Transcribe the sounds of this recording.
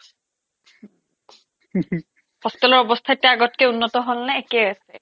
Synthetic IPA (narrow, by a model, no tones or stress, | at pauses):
pɔst̪ɔlɔɹɔbɔst̪ʰaetːiaaɡɔtkeunːɔtɔɦolnaekejase